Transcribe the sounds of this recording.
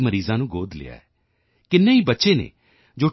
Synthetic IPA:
məɾiːzãːnũːɡoːd̪lɪ̰ːa̰ːɛː | kɪnːẽːiːbətːʃeːnḛː | d͡ʒoː

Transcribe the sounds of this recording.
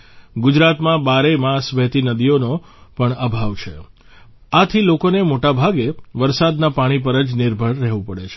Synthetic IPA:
ɡʊd͡ʒɾat̪mãbaɾemãsʋɛɦt̪inəd̪ijono | pəɳəbʱaʋt͡ʃʰe | at̪ʰilokonemoʈabʱaɡeʋəɾsad̪napaɽ̃ipəɾəd͡ʒnɪɾbʱəɭːɛɦʋũpəɽet͡ʃʰe

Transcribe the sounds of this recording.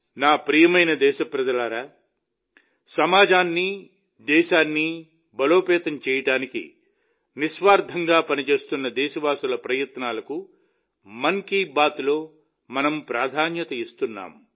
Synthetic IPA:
naːpɾijɐmɐjnɐd̪ɛːʃɐpɾɐd͡ʒɐlaːɾaː | sɐmaːd͡ʒaːnːi | d̪ɛːʃaːnːi | bɐlo̞ːpɛːt̪ɐmt͡ʃɛːjɐʈaːnikḭ | niʃʋaːɾd̪ʱɐŋɡaːpɐnit͡ʃe̞ːst̪unːɐd̪ɛːʃɐʋaːsulɐpɾɐjɐt̪naːlɐku | mɐŋkiːbaːt̪lo̞ː | mɐnɐmpɾaːd̪ʱaːnjɐt̪ɐist̪unːa̰ːm

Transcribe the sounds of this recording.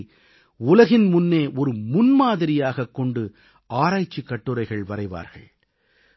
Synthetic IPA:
ʊlɐɣɪnmʊnːeːʔɔɾɯmʊnmaːðɪɾɪjaːɣɐkːɔɳɖɯ | aːɾaːjt͡ʃːikːɐʈːɯɾɐɪɣɐɭʋɐɾɐɪʋa̰ːɾɣɐ̰ɭ

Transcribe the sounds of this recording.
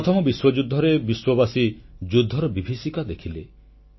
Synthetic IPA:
ɔt̪ʰɔmɔbiswɔd͡ʒud̪ʱːɔɾebiswɔbasid͡ʒud̪ʱːɔɾɔbibʱisikad̪ekʰile

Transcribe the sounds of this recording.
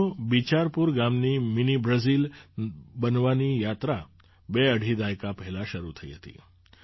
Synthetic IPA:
bit͡ʃaɾpuɾɡamniminibɾəzil | bənʋanijat̪ɾa | beəɽ̤ʱid̪ajkapəɦɛlãʃəɾut̪ʰəḭɦət̪ḭ

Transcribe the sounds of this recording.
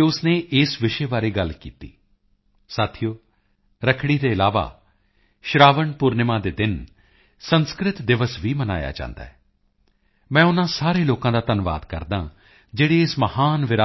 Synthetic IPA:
ʊsneːʔɪsʋɪʃeːbaːɾeːɡəlkḭːt̪ḭː | saːt̪ʰijoː | ɾəkʰɽ̃iːd̪eːɪlaːʋa̰ː | ʃɾaːʋəɳpʊɾnɪmãːd̪eːd̪ɪn | sənskɾɪt̪d̪ɪʋəsʋiːməna̰ːja̰ːt͡ʃã̰ːnd̪a̰ːɛː | mɛ̃ːʊnãːsaːɾeːloːkãːd̪aːt̪ənʋa̰ːd̪kə̰ɾd̪ã̰ː | d͡ʒeːɽeːɪsməhaːnʋɪɾa

